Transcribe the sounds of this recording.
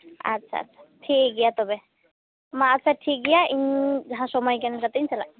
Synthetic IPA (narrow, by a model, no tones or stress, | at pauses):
a̰tːsʰa̰a̰sʰḁʈʰiɡɛjat̪ɔbɛ | maːtːsʰaʈʰik̚ɡɛjaʔiɲd͡ʒɦãsɔmajkɛnɛkat̪aiɲsala